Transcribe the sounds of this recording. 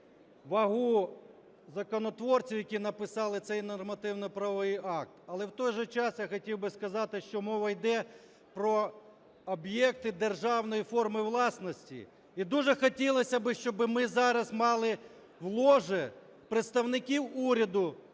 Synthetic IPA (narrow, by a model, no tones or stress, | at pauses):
ʋɐɦu | zɐkɔnɔt̪ʋɔrt͡sʲiwjɐkʲinɐpɪsɑlˠɪt̪sɛjnɔrmɐt̪ɪwnɔpɾɐʋɔʋɪjɑk̚t̪ɐlˠɛwt̪ɔjʒɛt͡ʃɑsjaxɔtʲiwbɪskɐzɑt̪ɪʃt͡ʃɔmɔʋɐjd̪ɛ | pɾɔː | bjɛk̚t̪ɪd̪erʒɑwnɔjifɔrmɪʋlˠɑsnɔsʲtʲḭ | id̪uʒɛxɔtʲilˠɔsʲɐbɪʃt͡ʃɔbɪmɪzɑɾɐsmɑlˠɪ | ʋlˠɔʒɛ | pɾet̪st̪ɐwnɪkʲiwuɾʲɐd̪ʊ